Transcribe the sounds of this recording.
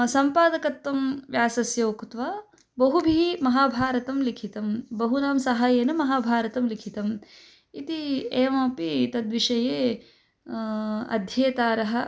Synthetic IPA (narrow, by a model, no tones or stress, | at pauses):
sɐmpaːd̪ɐkɐt̪ʋɐmʋjaːsɐsjoːkt̪ʋaː | bɐɦubʱiimɐɦaːbʱaːɾɐt̪ɐmlikʰit̪ɐmbɐɦunaːmsɐɦaːjeːnɐmɐɦaːbʱaːɾɐt̪ɐmlikʰit̪ɐm | it̪ieːmɐːpit̪ɐd̪ʋiʂɐjeː | ɐ̰d̪ʱjɐːt̪aːɾɐɦɐ̆